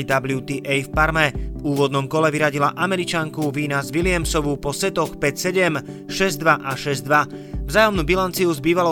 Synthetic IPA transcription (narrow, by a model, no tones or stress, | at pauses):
d̪ablɪut̪iːʔɛjfpaɾmɛuːʋɔd̪nɔmkɔlɛʋiɾaɟilaʔamɛɾit͡ʃaŋkuʋiːnazʋilɪamsɔʋupɔsɛt̪ɔxpɛcsɛɟɛm | ʃɛzd̪ʋaʔaʃɛzd̪ʋa | vzaːjɔmnuːbilant͡siuzbiːʋalɔ